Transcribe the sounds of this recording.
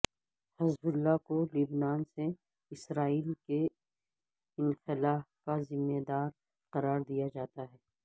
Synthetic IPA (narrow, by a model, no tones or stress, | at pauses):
hɐzbʊlːakolibnaːnse | ɪsɾaːiːlke | ɪnxɪlaːfkazɪmːed̪aːɾ | qɐɾaːɾd̪ijad͡ʒaːt̪aɦɛː